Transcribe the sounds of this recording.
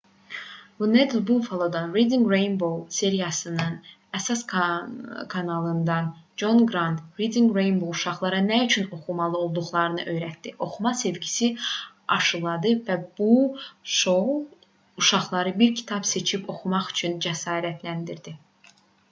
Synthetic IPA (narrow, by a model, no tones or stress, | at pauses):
vuned̪lbulfolˠod̪ɑnɾid̪iŋɡɾejnbo̞lˠse̞ɾijɑsɯnɯn | æsɑs | kʰɑnɑlˠɯnd̪ɑnd͡ʒo̞nɡɾɑnt̪ɾid̪iŋɡɾejnbolˠuʃɑχlˠɑɾɑnæyt͡ʃʰyno̞χumɑlˠɯo̞lˠd̪uχlˠɑɾɯnɯʔø̞jɾæt̪̚d̪iʔo̞xumɑse̞vɟi̥si | ɑ̰ʃɯlˠɑd̪ɯvæbuʃo | uʃɑχlˠɑɾɯbiɾcʰi̥t̪ʰɑbse̞t͡ʃʰipʰo̞xumɑχy̥t͡ʃʰynd͡ʒæsɑːɾæt̪ʰlænd̪iɾd̪i